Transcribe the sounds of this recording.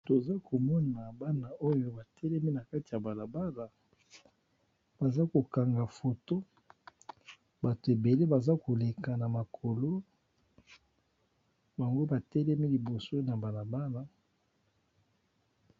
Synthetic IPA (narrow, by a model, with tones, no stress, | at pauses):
to˨za˦ko˨mɔ˦na˨ba˦na˦ʔo˦jo˦ba˨tɛ˦lɛ˦mi˦na˨ka˦ti˨ja˨ba˨la˨ba˦la˨ | b̥a˨za˦ko˨ka˨ŋɡa˨fo˨to˦ | ba˨to˨e˨be˨le˦ba˨za˦ko˨le˨ka˨na˨ma˨kʰo˨lo˦ | ba˨ŋɡo˦ba˨tɛ˦lɛ˦mi˦li˨bo˨so˦na˨ba˨la˨ba˦na˦